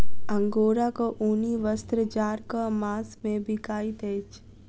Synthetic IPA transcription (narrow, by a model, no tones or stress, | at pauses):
ə̃ŋɡoːɾakoʔoːniʋəst̪ɾəd͡ʒaːɾkamaːsmẽbʱɪkaːit̪eːt͡ʃ